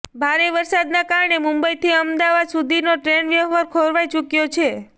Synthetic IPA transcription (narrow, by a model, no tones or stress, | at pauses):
bʱaɾeʋəɾsad̪nakaɾɳemʊmbəjt̪ʰiəmd̪aʋad̪sud̪ʱinoʈɾenʋjəʋaɾkʰoɾʋajt͡ʃukjot͡ʃʰe